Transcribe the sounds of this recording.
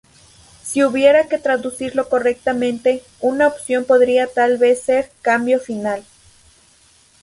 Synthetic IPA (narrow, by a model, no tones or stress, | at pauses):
siuβje̞ɾake̞t̪ɾaðusiɾlo̞ko̞re̞k̚t̪amẽnt̪e̞ | unaopsjo̞mpo̞ðɾiat̪alβe̞sːe̞ɾkambjo̞final